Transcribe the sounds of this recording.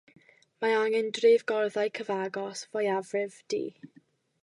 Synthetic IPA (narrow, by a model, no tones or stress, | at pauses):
maaŋɛndrɪːvɡɔrðajkʰəvaɡɔsvɔjavrɪvd̥ḭː